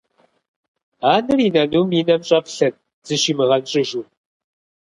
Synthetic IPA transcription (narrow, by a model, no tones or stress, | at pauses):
aːnɨriːnɐnuːmiːnɐmɕʼɐpɬɐn | z̥ɨɕiːmɨʁɐnɕʼɪʒuː